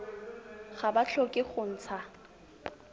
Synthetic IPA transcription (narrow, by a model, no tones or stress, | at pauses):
χabat͡ɬʰokʼɪχʊn̩ːt͡sʰa